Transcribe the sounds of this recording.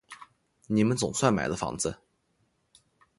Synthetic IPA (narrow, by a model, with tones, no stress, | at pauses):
ni˨˩mə˦nt͡sʊ˨˩ŋswa˥˩nma̰˨˩ɪlə˦˩fɑ̰˧˥ŋd͡zə˧